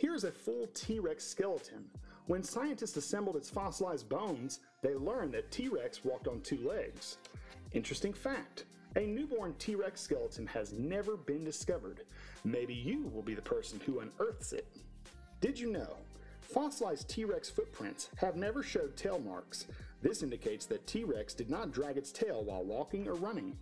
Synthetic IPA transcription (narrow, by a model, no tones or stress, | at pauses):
hiɹɨzɨfʊlˠtʰiɹɛkskɛlˠəɾʰɨ̰̃nwə̃nsaɪɨ̃ntɨstsɨsɛ̃mbl̩ˠɨtsfɑslaɪzbõʊ̃nz | ðeɪlɜ̃˞nðɨtʰiɹɛkswɔk̚tn̩tʰʉlɛɡz̥ʔɪ̃nt͡ʃɹ̥ɨstɪ̃ŋfæk̚t | ɨnʉbɔɹntʰiɹɛkskɛlˠətɨ̃n̩ɨznɛvə˞bɨ̃ndɨskʌvə̰˞d̚meɪbijɨwɪlˠbiðɨpʰɜ˞sn̩huə̃nɜ˞θsɪ̰t̚ | d̥ɨd͡ʒɨnoʊ | fɑslaɪztʰiɹɛksfʊt̚pʰɹ̥ɪ̰̃ntshɨvnɛvə˞ʃoʊd̚tʰeɪlˠmɑ̰ɹksðɪsɪ̃ndɨkʰeɪtsðɨtʰiɹɛksd̥ɨdⁿnət̚dɹæɡɨtstʰeɪlˠwaɪlˠwɔkɪ̃ŋə˞ɹʌnɪ̃ŋ